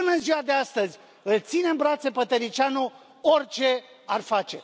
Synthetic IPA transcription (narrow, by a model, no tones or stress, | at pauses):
ɨnənziwad̪east̪əzʲ | ɨlt̪sine̞mbɾat̪se̞pət̪əɾit͡ʃano | orʲt͡ʃe̞ | arfat͡ʃe̞